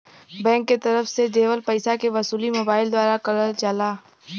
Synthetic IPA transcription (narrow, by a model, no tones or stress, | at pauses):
bɛ̃ːŋkːet̪ɐɾəfsed͡ʒeːʋəlpɐɪsakeʋɐsuːlimoːbaːɪld̪waːɾakɐɾəld͡ʒaːlaː